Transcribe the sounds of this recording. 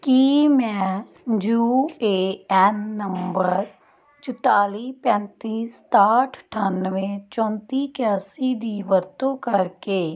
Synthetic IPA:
kiːmɛ̃ː | d͡ʒuːeːɛnːəmmbəɾ | t͡ʃʊt̪aːliːpɛ̃ːnt̪iːst̪aːʈʰʈʰaːnʋẽːt͡ʃɔ̃ːnt̪iːkjaːsiːd̪iːʋəɾt̪õːkəɾkeː

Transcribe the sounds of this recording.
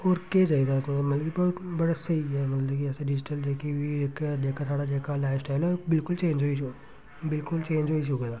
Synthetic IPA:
oːɾked͡ʒaːiɡ̪asmɐt̪ləɡbɐɦt̪bɐɽasɐiɛmɐt̪ləbkiɛːseɖɪd͡ʒɪʈəld͡ʒeːkiɦieːkd̪eːkʰat̪ʰaːɽad͡ʒeːkʰalaːɪfsʈaːɪlobɪlkʊlt͡ʃeːnd͡ʒɦoi | bɪlkʊlt͡ʃẽːɲd͡ʒɦoːiʃuked̪a

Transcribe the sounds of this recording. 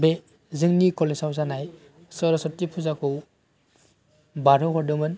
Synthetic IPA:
be | zɯŋnikɔlesawzanaj | sɔɾɔsɔtipʰuzakʰɯw | baɾɯɦɔdɯmɯn

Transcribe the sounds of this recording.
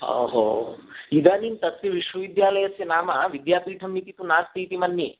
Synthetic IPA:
o̰ːɦoːid̪aːniːnt̪ɐt̪jɐʋiʃʋɐʋid̪jaːlɐjɐsjɐnaːmɐʋid̪jaːpiːʈʰɐmːit̪it̪unaːst̪iːt̪imɐnːi

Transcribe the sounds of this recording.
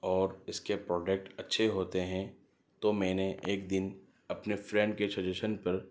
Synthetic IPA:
ɔːɾɪskepɾɔːd͡ʒek̚ʈɐtːʃʰeɦoːt̪eɦɛ̃ | t̪omɛ̃ːneʔeːkd̪ɪn | ɐpnefɾɛ̃ːɳɖkesɐd͡ʒeʃənpɐɾ

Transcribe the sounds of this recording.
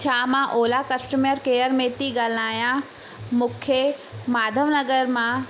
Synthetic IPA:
t͡ʃʰaːmãʔoːlakɐsʈəməɾkeːəɾmẽt̪iɡalaːjã | mʊkʰːjemaːd̪ʱəʋnɐɡəɾmã

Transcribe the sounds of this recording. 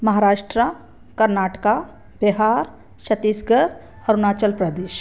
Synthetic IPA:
mɐɦaːɾaːʃʈɾa | kɐɾnaːʈka | b̥ɪɦaːɾ | ʃɐt̪isɡəɾ | ɔːɾnaːt͡ʃəlpɾəd̪eːʃ

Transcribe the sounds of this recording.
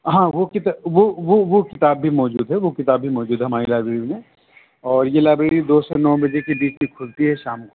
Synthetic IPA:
ɦãːʋokɪt̪aʋoʋoʋokɪt̪aːbːʱimɔːd͡ʒuːd̪ɦɛʋokɪt̪aːbːʱimɔːd͡ʒuːd̪ɦɛɦɐmaːɾilaːbɾeːɽimẽ | ɔːɾjelaːbɾeːɽid̪oːsenɔːbɐd͡ʒekibiːt͡ʃmĩkʰʊlt̪iɦɛʃaːmk

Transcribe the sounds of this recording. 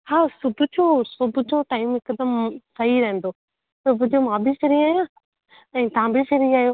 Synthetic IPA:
haːsʊbʱʊd͡ʑosʊbʱʊd͡ʑoʈaːɪmɪkəd̪əmsɐɦiɾɐɦə̃n̆d̪o | sʊbʱʊd͡ʑomãːbɪfɪɾiaːjãː | ɛ̃ːt̪ɐɦãbɪfɪɾiaːɦjoː

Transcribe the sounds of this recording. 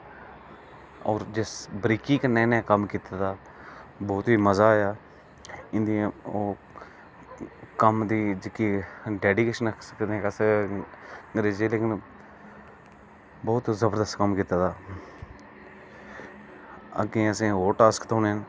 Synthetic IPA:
ɔːɾd͡ʒɪsbɾiːkiːkːnɛːnẽːkəmkiːt̪aːd̪aː | bɔːt̪iːməzaːjaː | ɪ̃nd̪ĩoː | kəmd̪iːd͡ʒɪkiːɖɛːɖikeːʃənsəkd̪ẽːkəsə | ɡɾeːd͡ʒeːleːkɪn | bɔːt̪zəbəɾd̪əst̪kəmkiːt̪aːd̪aː | ə̰ɡẽːəsĩːɦoːʈaːskt̪oːneən

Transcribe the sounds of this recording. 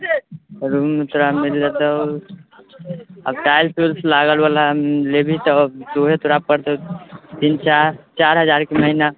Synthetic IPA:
ɾumet̪uɾamild͡ʒed̪ə | əbʈaɪlpulslaɡəlalalebʱit̪ɔt̪oɦet̪uɾab̚kəɾd̪ot̪int͡ʃaɾt͡ʃaɾɦəd͡ʒaɾkeməɦina

